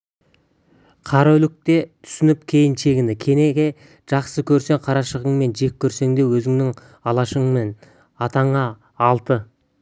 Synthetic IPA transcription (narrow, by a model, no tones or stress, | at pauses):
qʰɑɾalɪk̚t̪e̞t̪ʰʏ̥sɪnɪp̚kʲʰe̞jɪnʃe̞ɡʲɪnɪkʲʰe̞ne̞ɡʲe̞ | ʒ̥ɑqsəkʲʰɵɾse̞ŋqʰɑɾɑʃəʁəɴme̞nʒe̞kʲʰːɵɾse̞ŋd̪e̞wɵzɪŋnɪŋ | ɑlˠɑʃəɴme̞n | ɑt̪ɑɴɑː | lˠt̪ə